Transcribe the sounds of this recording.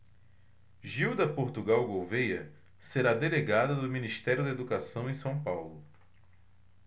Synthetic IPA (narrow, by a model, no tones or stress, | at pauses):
ʒiwd̪ɐpoɾt̪uɡawɡowvejɐ̰ | seɾad̪eleɡad̪ɐd̪ʊminiʃt̪ɛɾjʊd̪ɐed̪ukasɐ̃w̃ẽsɐ̃w̃pawlʊ